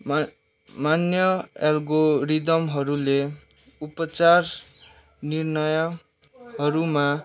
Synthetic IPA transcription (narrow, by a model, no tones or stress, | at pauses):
manjʌelɡoɾid̪ʌmɦʌɾule | upʌt͡sar | nirnʌjʌ | ɦʌɾuma